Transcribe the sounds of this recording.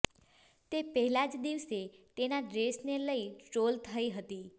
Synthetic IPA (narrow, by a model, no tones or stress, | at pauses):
t̪epəɦɛlad͡ʒd̪iʋset̪enaɖɾesneləiʈɾolt̪ʰəiɦət̪i